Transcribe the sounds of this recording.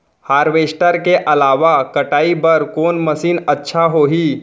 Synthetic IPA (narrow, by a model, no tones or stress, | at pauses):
haːɾʋesʈəɾkeʔɐlaːʋakəʈaːibəɾkoːnməsiːnətːʃʰaɦoɦiː